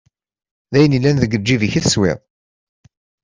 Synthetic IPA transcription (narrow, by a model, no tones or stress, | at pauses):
ðæjənilːænðəɡəd͡ʒːiviçiθəswɪ̰ðˤ